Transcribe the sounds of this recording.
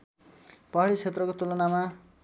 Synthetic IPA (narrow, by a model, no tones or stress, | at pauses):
pʌɦaɾit͡sʰet̪rʌkot̪ulʌnama